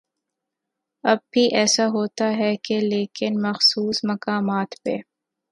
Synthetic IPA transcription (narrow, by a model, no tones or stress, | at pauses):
ɐb̚bʱiʔɛːsaɦoːt̪aɦɛkeleːkɪnmɐxsuːsmɐkaːmaːt̪pḛː